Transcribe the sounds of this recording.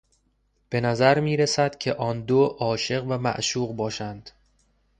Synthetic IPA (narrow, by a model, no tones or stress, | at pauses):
b̥e̞næzæɾmiːɾesæd̪̥cʲʰe̞ʔɒːnd̪oʔɒːʃe̞ɣvæmæ̰ʔʃuːɣbɒːʃænd̪̥